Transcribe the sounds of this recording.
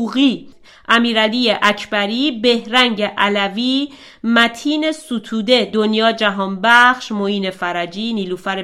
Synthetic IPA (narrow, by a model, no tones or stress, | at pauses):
uɣiː | ʔæmiːɾæliːjeʔæcʰbæɾiːbe̞hɾæŋɟeʔælæviː | mæt̪ʰiːne̞sut̪ʰuːd̪e̞d̪onjɒːd͡ʒæɦɒːnbæχʃmoiːnefæɾæd͡ʒiːniːluːfæɾe